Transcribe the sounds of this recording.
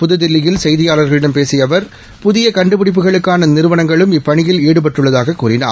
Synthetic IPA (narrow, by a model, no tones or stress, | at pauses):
pʊðɯðɪlːɪjɪlsɛjðɪjaːlɐɾɣɐɭɪɽɐmpeːsɪjɐʋɐɾ | pʊðɪjɐkɐɳɖɯpɪɽɪp̬ːɯɣɐɭɯkːaːnɐnɪɾɯʋɐnɐŋɡɐɭɯmɪpːɐɳɪjɪleːɽɯp̬ɐʈrɯɭːɐðaːɣɐkːuːrɪna̰ː